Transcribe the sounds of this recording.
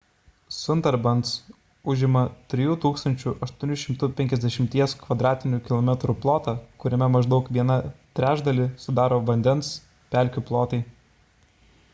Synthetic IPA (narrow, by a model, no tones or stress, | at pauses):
sʊnt̪ɐɾbɐns | ʊʒʲɪmɐt̪ʲɾʲɪjuːt̪uːkst̪ɐnʲt͡ʃʲʊʔɐʃt̪uɔnʲʊʃʲɪmt̪ʊpʲɛŋʲkʲɛzʲd̪ʲɛʃʲɪmʲt̪ʲiɛskʋɐd̪ɾɑːt̪ʲɪnʲʊkʲɪlˠɔmʲɛt̪ɾʊplˠoːt̪ɑːkʊɾʲɛmʲɛmɐʒd̪ɐʊkʋʲiɛnɐt̪ʲɾʲæːʒd̪ɐlʲɪsʊd̪ɑːɾoːʋɐnʲd̪ʲɛns | pʲæˑlʲkʲʊplˠoːt̪ɐɪ